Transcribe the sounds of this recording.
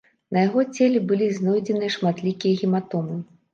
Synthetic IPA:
nɐjaɣɔt͡sʲɛlʲɛbɨlʲiznɔjd͡zʲɛnɨjɐʂmat̪lʲikʲijɐɣʲimat̪ɔmɨ

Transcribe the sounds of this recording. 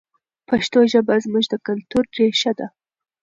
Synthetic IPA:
paʃt̪oʒəbazmuʒd̪əkalt̪uɾɾeʃad̪a

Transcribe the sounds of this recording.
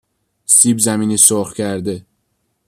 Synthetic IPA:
siːbzæmiːniːsoχcʰæɾd̪e

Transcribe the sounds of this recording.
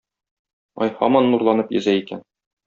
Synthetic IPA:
ɒjhɒ̰mɑnːuɾlˠɑnɤpjɵ̆zæikæn

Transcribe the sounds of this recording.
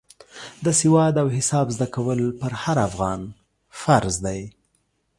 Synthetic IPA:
d̪əsɪwɑd̪awhɪsɑbzd̪akawəlpəɾhaɾafɣɑn | faɾzd̪aj

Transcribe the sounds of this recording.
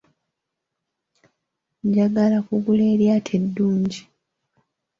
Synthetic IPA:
ɲɟaɡalakuβule̞ːljaːtʰedːuːɲɟi

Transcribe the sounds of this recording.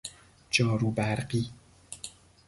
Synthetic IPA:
d͡ʒɒːɾuːbæɾɢiː

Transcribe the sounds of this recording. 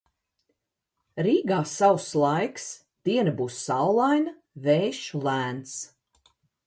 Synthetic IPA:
ɾiːɡaːsawslˠajks | d̪̥iɛnɐbuːsːawlˠajna | vɛːʃlˠæːnt̪s

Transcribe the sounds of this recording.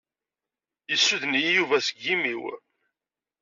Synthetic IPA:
jəsːuðnijuvæsəɡːimiw

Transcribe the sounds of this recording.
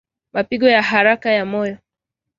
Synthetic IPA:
mapiɡɔjaɦaɾakajamɔjɔ

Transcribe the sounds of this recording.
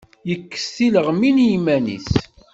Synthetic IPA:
jəkːə̥sːiləʁminmænḭs

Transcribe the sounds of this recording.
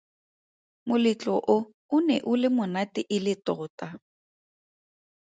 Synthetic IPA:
mʊlɪt͡ɬʼɔʔʊ | ʊnɛ̰ʔʊlɪmʊnatɪʔɪlɪtɔɣʊtʼa

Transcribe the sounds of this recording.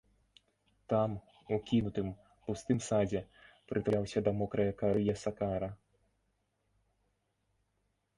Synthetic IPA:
t̪am | ukʲinut̪ɨm | pust̪ɨmsad͡zʲɛpɾʔɨt̪aawsʲɐd̪ɐmɔkɾɐjɐkaɾɨjɛsakaɾɐ

